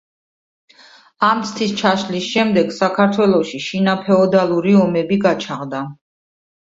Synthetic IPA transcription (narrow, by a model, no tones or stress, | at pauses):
amt̪sʰt̪ʰist͡ʃʰaʃlisʃɛmd̪ɛɡ̥sakʰaɾt̪ʰwɛlˠɔʃiʃinapʰɛɔd̪alˠuɾiɔmɛbiɡat͡ʃʰaʁd̪a